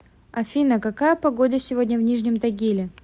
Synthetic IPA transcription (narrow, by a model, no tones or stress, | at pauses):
ɐfʲinəkɐkajəpɐɡo̞d̪ʲəsʲɪvo̞dʲnʲəvnʲiʐnʲɪmt̪ɐɡʲilʲɪ